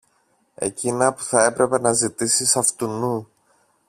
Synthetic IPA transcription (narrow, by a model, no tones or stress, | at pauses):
e̞̰cinɐpu̥θɐe̞pɾe̞pe̞nɐzit̪isisɐft̪unu